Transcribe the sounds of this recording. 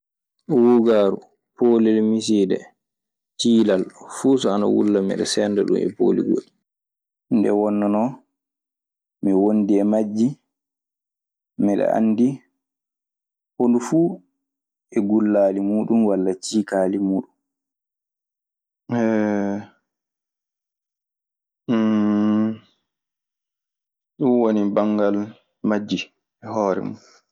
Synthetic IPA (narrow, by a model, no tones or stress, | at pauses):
wuɡaːɾu | poːlɛlmis̬idɛ̰ | tiːlalfuːsɔana̰wṵlːamɛ̰ɗɛ̰sɛndaɗṵmɛ̰po̰lḭɡo̰ɗi | ndɛ̰wɔnːɔnɔ | miwondiɛmad͡ʒːi | mɛɗɛ̰ʔa̰nːdi | hondufuː | ɛɡulːaːlimuːɗumwalːat͡ʃiːkaːlimuːɗum | ɛ | ɗunwonibaŋɡal | mad͡ʒːi | ɛhɔːɾɛ̰mu